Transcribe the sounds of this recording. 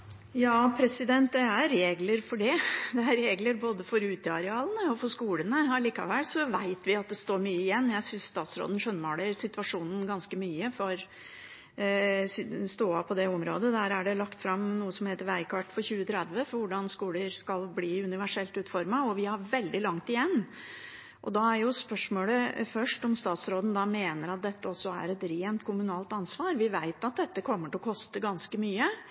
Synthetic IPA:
jɑːpʰɾɛsɪd̪ɛnt̪̚d̪ɛæɾːeːɡləɾfɔɖɛd̪ɛæɾːeːɡləɾboːd̪əfɔɾʉːt̪əɑɾɛɑːlˠənəɔfɔʂkuːlənəɑliːkɑ̰ʋɛlsɔʋæɪt̪ʋɪɑt̪̚d̪ɛst̪oːɾmyːəɪjɛnːjæɪsʏnsst̪ɑːt̪sɾo̰ːd̪ən̩ʂœnːmoːɽəɾsɪt̪ʋɑʂuːnən̩ɡɑnskəmyːəfɔɾ | sst̪oːɑpʰɔd̪ɛɔmɾo̰ːd̪əd̪æːɾæɖɛlɑkt̪fɾɑmnuːəsɔmheːt̪əɾʋæɪkʰɑʈfɔɾçʉːət̪ʰɾɛd̪ʋəfɔɾʋʊɖɑnskuːləɾskɑlbliːʉnɪʋæʂɛlt̪ʉːt̪fɔɾmɑɔʋɪhɑɾʋɛld̪ɪlɑŋt̪ɪjɛnː | ʔɔd̪ɑæɾjʊspœʂmoːləfœʂʈɔmst̪ɑːt̪sɾoːd̪n̩d̪ɑmeːnəɾɑt̪̚d̪ɛt̪ːəɔsːɔæ̰ɾɛt̪ɾeːnt̪kʰʊmʉnɑːlt̪ɑnsʋɑːɾʋɪʋæɪt̪ɑt̪̚d̪ɛt̪ːəkʰɔmːəʈɪlɔkʰɔst̪əɡɑnskəmyːə

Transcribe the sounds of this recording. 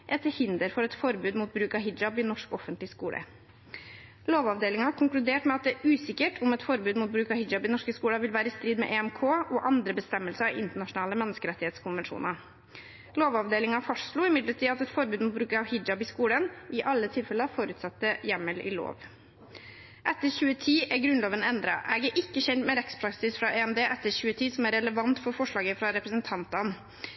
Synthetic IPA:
ʔɛt̪ːəhɪnd̪əɾfɔɾɛt̪fɔɾbʉːd̪muːt̪̚bɾʉːkɑɦɪd͡ʒɑbɪnɔʂkɔfənt̪lɪskuːlʔə̰ | loːʋɑːʋd̪eːlɪŋɑɑkʰʊŋklʉd̪eːʈmɛɑt̪̚d̪ɛʔʉːsɪkːəʈʰʊmɛt̪fɔɾbʉːd̪muːt̪̚bɾʉːkɑhɪd͡ʒɑbɪnɔʂkəskuːlɑʋɪlʋæːɾəɪst̪ɾiːd̪mɛ̰ʔeːɛmkʰoːʔɔʔɑnd̪ɾəbəst̪ɛmːəlsəɪ̰ʔɪnt̪əɳɑʂʊnɑːləmɛnːəskəɾɛt̪ːɪheːt̪skʰʊnʋənʂṵːnɑ | loːʋɑʋd̪eːlɪŋɑfɔʂlʊːɪmɪd̪lət̪iːɑt̪ɛt̪fɔɾbʉːd̪mɔbɾʉːkəɑʋhɪd͡ʒɑbɪskuːlənʔɪʔɑlːət̪ʰɪlfɛləɑʋfɔɾʉːt̪sɑt̪ːəjɛmːəlɪ̰lo̰ːʋ | ʔɛt̪ːəçʉːət̪ʰiːʔæɡɾʉnloːʋənɛnd̪ɾɑ̰ʔæɡəʔɪkːəçɛnt̪mɛɾɛkspʰɾɑksɪsfɾɑʔeɛmd̪eːʔɛt̪ːəɾçʉːət̪ʰiːsɔmæɾɛləʋɑnt̪fɔɾfɔʂɭɑːɡəfɾɑɾɛpɾəsənt̪ʰɑnt̪ɑn

